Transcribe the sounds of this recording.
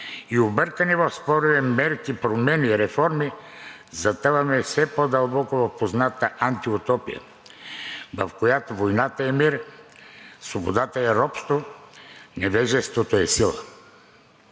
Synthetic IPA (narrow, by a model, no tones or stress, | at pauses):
iobəɾkənɛvɐfspɔɾuvɛmɛɾkipɾomɛniɾɛfɔɾmi | zɐt̪əvɐmɛfsɛpod̪ɐlˠbɔkovɐfpoznat̪əʔant̪iʊt̪ɔpḭjə̰ | vɐfkojat̪ovojnat̪əɛmiɾ | svobod̪at̪əɛɾɔpst̪vo | nɛvɛʒɛst̪vot̪oɛsilˠə̰